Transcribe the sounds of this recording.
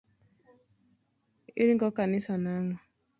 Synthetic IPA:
ḭɾiŋɡɔkanisanaŋɔ

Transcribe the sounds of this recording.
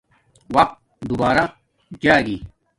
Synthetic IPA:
wɐq̚t̪̚ | d̪ubaːɾa | d͡ʑaːɡi

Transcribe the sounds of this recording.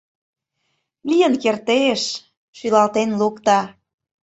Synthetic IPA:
lʲijənkert̪eʃ | ʃylɑlt̪enlukt̪ɑ

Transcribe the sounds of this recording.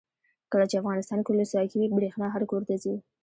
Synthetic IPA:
kəlat͡ʃeafɣɑnɪst̪ɑnkʊlosɑjkiwibɾexnɑɦaɾkoɾt̪azi

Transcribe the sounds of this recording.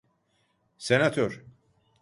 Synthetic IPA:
senat̪ʰøɾ

